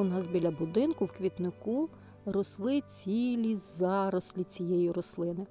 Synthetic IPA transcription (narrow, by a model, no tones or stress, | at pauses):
ʊnɑsbʲilʲɐbʊd̪ɪnkʊwkʋʲit̪nɪku | rɔslˠɪt͡sʲilʲizɑɾɔslʲit͡sʲijɛjiɾɔslˠɪnɪ